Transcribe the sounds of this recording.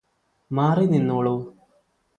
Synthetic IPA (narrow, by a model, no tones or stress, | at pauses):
maːrininːoːɭoː